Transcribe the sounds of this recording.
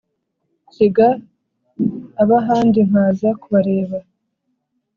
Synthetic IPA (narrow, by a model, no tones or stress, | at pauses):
kiɡa | βaɦaːndin̥haːzakuβaɾe̞ːβa